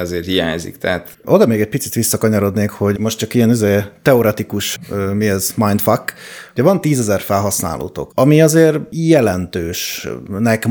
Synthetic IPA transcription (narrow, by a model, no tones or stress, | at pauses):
ɛzeːrhijaːɲzḭkt̪ɛat̪ | ʔo̞d̪ɒmeːɡɛc̚pit̪sit̪ʋisːɒkɒɲɒɾo̞d̪neːkho̞ɟmo̞ʃtt͡ʃɒkijɛnøzeːt̪ɛo̞ɾɛt̪ikuʃmiɛzmajnt̪fɒkːuɟɛvɒnt̪iːzɛzɛrfɛlɦɒsna̰ːlʔo̰ːt̪o̞̰kɒmiɒzeːrjɛlɛnt̪øːʃnɛk